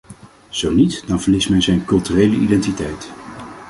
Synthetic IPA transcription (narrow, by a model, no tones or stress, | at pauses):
z̥ownitdɑnvəlɪsmɛjzɛjnkɵlˠtyrejləʔidɛntitɛjt